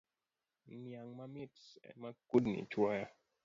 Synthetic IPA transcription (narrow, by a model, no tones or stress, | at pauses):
njaŋmamitsɛ̰makudnḭt͡ʃwaja